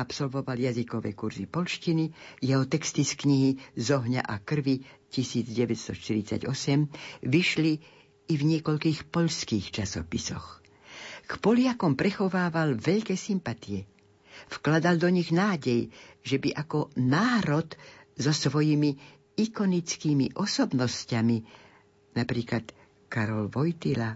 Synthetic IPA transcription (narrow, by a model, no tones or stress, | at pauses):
apsɔlʋɔʋaljazikɔʋɛ̰kuɾzḭpɔʎʃcinijɛɦɔt̪ɛkst̪iskɲiɦizɔɦɲa̰ʔakr̩ʋicisiːd͡zɟɛʋɛtst̪ɔʃt̪iɾit͡sa̰ɟɔsɛmʋiʃliː | vɲɪɛkɔʎkiːxpɔʎskiːxt͡ʃasɔpisɔx | kpɔlɪakɔmpɾɛxɔʋaːʋalʋɛʎkɛːsimpat̪iɛ | fklad̪ald̪ɔɲiɣnaːɟɛjʒɛbiʔakɔnaːɾɔd̪zɔsʋɔjimi | ikɔnit͡skiːmiʔɔsɔbnɔscami | napɾiːklat̪ | kaɾɔlʋɔjt̪ila